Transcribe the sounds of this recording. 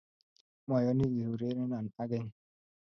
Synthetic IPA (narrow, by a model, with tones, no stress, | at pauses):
mɔ˨jɔ˦ni˦ɣi˨ɾu˨ɾe˦ne˦na˨n̩˨a˦ɡe˦ɲ˦